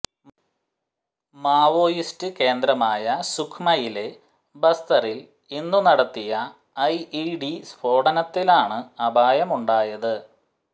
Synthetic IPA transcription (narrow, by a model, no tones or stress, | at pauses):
maːʋo̞ːjistɨke̞ːnd̪ɾɐmaːjɐsukʰmɐjile̞ | bɐst̪ɐril | inːunɐɽɐt̪ːijɐ | ɐjiɖisbʰo̞ːɽɐnɐt̪ːilaːɳɨɐbʱaːjɐmuɳɖaːjɐðɨ